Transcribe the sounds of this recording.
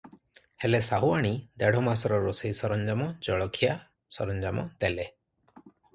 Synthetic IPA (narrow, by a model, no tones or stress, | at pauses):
helesaɦuaɽ̃id̪ɛɽ̤ʱɔmasɔɾɔɾosejsɔɾɔnd͡ʒamɔd͡ʒɔɭɔkʰija | sɔɾɔnd͡ʒamɔ̰d̪ele